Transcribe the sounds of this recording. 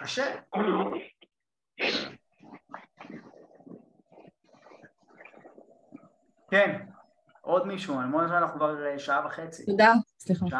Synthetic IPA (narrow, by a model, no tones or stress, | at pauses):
kaʃe | ken | ʔo̞d̪miʃualmonazmananaχnukvaʁeʃaavaχet͡sḭtod̪asliχaʃa